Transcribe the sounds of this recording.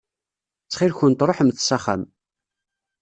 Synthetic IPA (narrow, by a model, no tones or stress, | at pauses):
t͡sːχɪlçʊnt̪ɾˤoħəmθsɑχæ̰m